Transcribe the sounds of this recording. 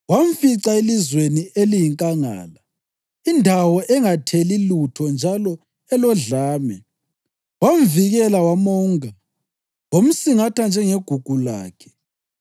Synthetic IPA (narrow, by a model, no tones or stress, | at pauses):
waɱ̩fiǀaelizweniʔelijiŋkʼaŋa̰ːla | indʱawɔʔɛŋatʰelilutʰɔnd͡ʒʱalɔ | ɛlɔɮaːmɛ | wamviɣɛlawamɔːŋa | wom̩siŋatʰand͡ʒʱɛŋeɡ̥ʱuɡ̥ʱula̰ːkʰɛ̥